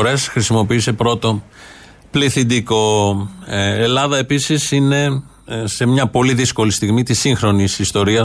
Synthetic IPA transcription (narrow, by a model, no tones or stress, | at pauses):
ɾe̞sxɾisimo̞piiːse̞pɾo̞t̪o | pliθind̪iko̞ | elɐðɐe̞pisisine̞ | se̞mɲɐpo̞liðisko̞list̪iɣmit̪isiŋxɾo̞nisist̪o̞ɾiɐ